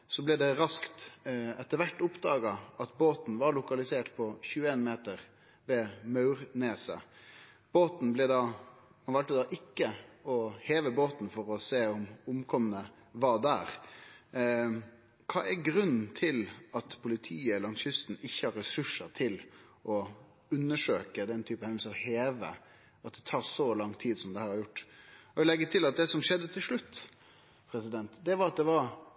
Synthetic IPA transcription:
sɔblɛd̪ɛɾɑskt̪ɛt̪ːəɾʋæʈːʊpd̪ɑːɡɑɑt̪boːt̪n̩ʋɑɾɭʊkɑlɪseːʈpʰɔçʉːəeːnmeːt̪əɾ | ʋɛːmɑʉɾneːsə̰ | b̥oːt̪n̩blɛd̪ɑː | mɑnʋɑlt̪əd̪ɑːʔɪkːəɔheːʋəboːt̪n̩fɔɾɔseːɔmʊmkʰɔmənə | ʋɑːd̪æ̰ːɾ | kʰɑ̰ːʔæɾɡɾʉnːn̩t̪ʰɪlɑt̪pʰʊlɪt̪ʰiːəlɑnsʏst̪n̩ɪçːəhɑɾːɛsʉʂəɾt̪ʰɪlʔɔ | ʉnːəʂøːkəd̪ɛnt̪ʰyːpəhɛn̩səɔheːʋə̰ | ɑt̪̚d̪ɛt̪ʰɑːɾʂɔlɑŋt̪ʰiːd̪sɔmd̪ɛhæːɾhɑɾjʊʈːɔlɛɡːət̪ʰɪlɑt̪̚d̪ɛsɔmʂɛd̪ːət̪ʰɪlʂlʉt̪ː | pʰɾɛsɪd̪ɛnt̪d̪ɛʋɑɾɑt̪̚d̪ɛʋɑɾ

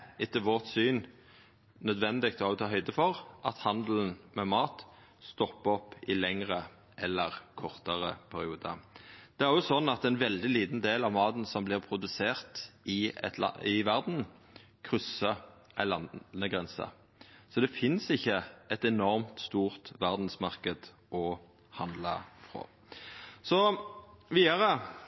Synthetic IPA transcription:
ɪt̪ːəʋɔʁt̪syːn | nœd̪ʋɛnd̪ɪk̚t̪ɔɑt̪ʰɑːɦœʏd̪əfɔʁʔɑt̪hɑnd̪ln̩mɛmɑːt̪ | st̪ɔpːɔpːɪlɛŋʁə | ʔɛlːəʁkʰɔʁt̪əʁəpʰæɾɪuːd̪əd̪̥ɛæɾʁɔʊsɔnːɑt̪ɛnʋɛld̪ɪliːd̪n̩d̪eːlɑʋmɑːt̪n̩sɔmblɪʁpʰʁʊd̪ʉseːʁt̪ɪ̰ | ɪʋæʁd̪n̩ | kʰʁʏsːə | æɪlɑnnəɡʁɛnsə̰ | sɔd̪ɛfɪnsɪçːəʔɛt̪ɛnɔɾmt̪st̪uːʁt̪ʋæʁd̪n̩smɑʁkəd̪ | ʔɔ | hɑnd̪ləfʁo̰ː | sɔ | ʋiːd̪əɾə

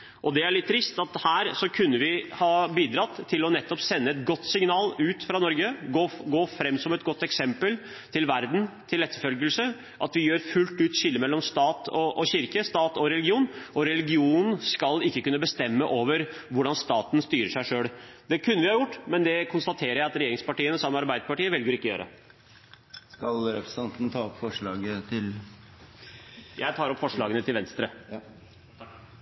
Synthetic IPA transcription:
ʔɔd̪ɛæɭɪt̪ʰːɾɪst̪ɑt̪hæːɾsɔkʰʉnːəʋɪhɑːbiːd̪ɾɑt̪ʰːɪlɔnɛt̪ːɔpsɛnːəɛt̪ɡɔt̪ːsɪŋnɑːlʉːt̪fɾɑnɔɾɡəɡoːɡoːfɾɛmːsɔmɛt̪̚ɡɔt̪ːɛksɛmpəl | t̪ʰɪlʋæɾd̪n̩t̪ʰɪlɛt̪ːəfœlɡəlsə | ʔɑt̪ʋɪjøːɾfʉlt̪ʉːt̪ɕɪlːəmɛlːɔmst̪ɑːt̪ʰɔʔːɕɪɾkəst̪ɑːt̪ɔɾɛlɪɡɪuːnʔɔɾɛlɪɡɪuːnən̩skɑlɪkːəkʉnːəbəst̪ɛmːəʔoːʋəɾʋʊɖɑnst̪ɑːt̪nst̪yːɾəʂæɪʂøːɽd̪ɛkʰʉnːəʋɪhɑɾjʊʈːmɛnd̪ɛkʰʊnst̪ɑt̪ʰeːɾəjæɪɑt̪ɾɛjeːɾɪŋspɑʈiːənəsɑmːɛɑɾbæɪd̪əpɑʈiːəʋɛlɡəɾɪkːɔjø̰ːɾʔə̰ | skɑlɾɛpɾəsɛnt̪nt̪ʰɑːɔpfɔʂɭɑːɡət̪ʰɪl | jæɪt̪ʰɑːɾɔpːfɔʂɭɑːɡənət̪ʰɪlʋɛnst̪ɾə

